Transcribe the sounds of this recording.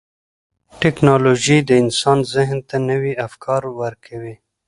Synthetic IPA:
ʈɪknɑloʒid̪əɪnsɑnzɪɦnt̪anəwiafkʰɑɾwəɾkʰawi

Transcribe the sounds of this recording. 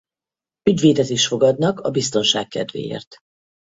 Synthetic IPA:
yɟveːd̪ɛziːʃfo̞ɡɒd̪nɒkɒbist̪o̞nʃa̰ːkkɛd̪vḛːjḛːrt̪

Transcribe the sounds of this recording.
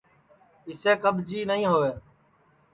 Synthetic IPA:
ɪseːkəɓʱd͡ʒiːnəɦĩːɦoːʋeː

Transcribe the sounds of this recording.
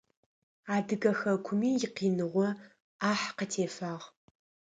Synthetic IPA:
aːdɨɡɐxɐkʷʰʊmiːjɪqiːnɨʁʷɔ | aːħqətʰeːfaːʁ

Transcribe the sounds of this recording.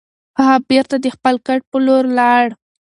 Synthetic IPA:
aabeɾt̪ad̪əxpəlkaʈ̚pəloɾlɑɽ

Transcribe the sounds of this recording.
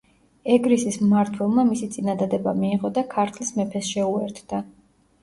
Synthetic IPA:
ɛɡɾisismaɾt̪ʰwɛlˠmamisit̪sʼinad̪ad̪ɛba̰miːʁɔd̪akʰaɾt̪ʰlismɛpʰɛsʃɛuɛɾt̪ʰd̪̥a

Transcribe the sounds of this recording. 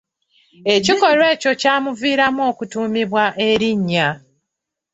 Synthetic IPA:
e̞ciko̞ɾwe̞ːco̞caːmuviːɾamo̞ːkutuːmiβwaʔe̞ɾiɲːa

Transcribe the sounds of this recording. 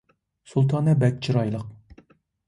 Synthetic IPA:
sulˠt̪ʰɑːnɛbɛk̚ʲt͡ʃʰiɾɑjlˠəq̚

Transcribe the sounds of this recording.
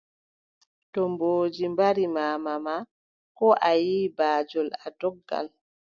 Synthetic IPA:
tɔmboːd͡ʒimbaɾimaːmama | kɔʔajiːbaːd͡ʒɔladɔɡːa̰l

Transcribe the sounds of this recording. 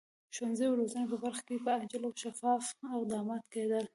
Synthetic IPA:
ʃwanzejwɾozənepəbaɾxḁkepəad͡ʒaloʃafɑfawd̪ɑmɑt̪ked̪əl

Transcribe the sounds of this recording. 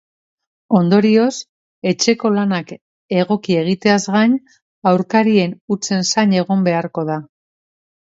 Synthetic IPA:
o̞nd̪o̞ɾio̞s | e̞t͡ʃe̞ko̞lanak | e̞ɣ̞o̞kie̞ɣ̞it̪e̞azɣaɲ | awɾkaɾie̞nut͡se̞nsaɲe̞ɣ̞o̞mbe̞aɾko̞ða

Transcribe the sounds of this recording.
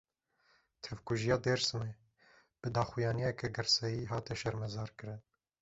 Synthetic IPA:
t̪ʰɛvkuʒijɑːd̪eːɾsɨme | b̥ɨd̪ɑːxujɑːnijɛkɛɡɨɾsɛjiːɦɑːt̪ɛʃɛɾmɛzɑːɾkɨɾɨn

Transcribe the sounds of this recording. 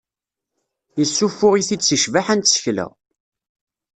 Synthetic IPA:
jəsːufʊʁiθit͡sːəʃvaħænt̪sə̥çlə̰ʁ

